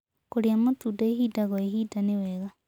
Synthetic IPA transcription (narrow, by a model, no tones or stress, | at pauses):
koɾiamotudɔeɦidaɣɔeɦiːdanewɛɣa